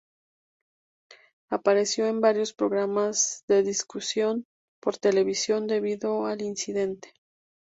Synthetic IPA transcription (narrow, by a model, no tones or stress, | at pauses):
apaɾe̞sjo̞e̞mbaɾjo̞spɾo̞ɣɾamazðe̞ðiskusjo̞n | po̞ɾt̪e̞le̞βisjo̞nd̪e̞βiðo̞alinsiðe̞nt̪e̥